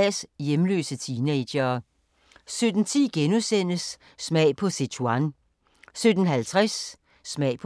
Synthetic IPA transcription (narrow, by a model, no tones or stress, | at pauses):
sjemlø̰ːsət͡sʰiːneɕɐː | sød̥n̩t͡sʰḭːɡ̥enusen̰əsː | mɛɪpʰɒ̽set͡sʰuɑn | sød̥ən̩ɦælt͡sʰʁasː | mɛɪpʰ